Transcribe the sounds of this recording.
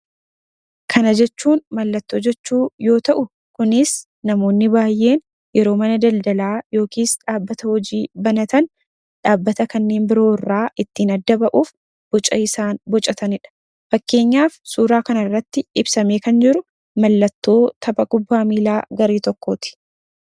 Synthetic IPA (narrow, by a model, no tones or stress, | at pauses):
kʰɐnɐd͡ʒɛt͡ʃːuːnmɐlːɐt̪ːo̞ːd͡ʒɛt͡ʃːuːjo̞ːt̪ɐʔʊ | kʊnɪs | nɐmo̞ːnːɪbaːjːe̞ːn | jɛɾo̞ːmɐnɐd̪ɐld̪ɐlaːjo̞ːkiːsᶑaːbːɐt̪ɐhɔd͡ʒiːbɐnɐt̪ɐn | ᶑaːbːɐt̪ɐkɐnːe̞ːmbɪɾo̞ːɪrːaːʔɪt̪ːiːnɐd̪ːɐbɐʔuːf | b̥ɔt͡ʃʼɐɪsaːnbɔt͡ʃʼɐt̪ɐnɪᶑɐ̥ | fɐkːe̞ːɲːaːfsuːɾaːkɐnɐrːɐt̪ːɪɪbsɐmeːkɐnd͡ʒɪɾʊ | mɐlːɐt̪ːo̞ːt̪ʰɐbɐɡʼʊbːaːmiːlaːɡɐɾeːt̪ɔkːo̞ːt̪ɪ̥